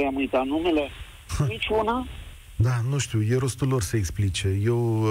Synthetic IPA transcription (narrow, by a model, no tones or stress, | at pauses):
jamujt̪anumele̞ | mit͡ʃuna | d̪anũʃt̪ʲujeɾo̞st̪ulːo̞rseeksplit͡ʃeje̞w